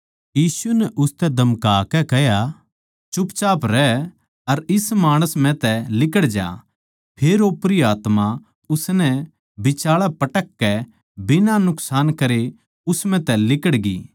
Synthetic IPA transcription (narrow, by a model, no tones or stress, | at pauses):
jiːsunɛʔʊst̪ɛd̪ʱɐmkaːkɛkɛɦja | t͡ʃʊpt͡ʃaːpɾɛ | ɐɾɪsmaːɽ̃əsm̤ɛ̃t̪ɛlɪkəɽd͡ʒa̰ː | pʰeːɾoːpɾiaːt̪ma | ʊsnɛ | bɪt͡ʃaːɭapɐʈəkːɛ | bɪnanʊksaːnkɐɾe | ʊsmɛ̃t̪ɛlɪkəɽɡḭː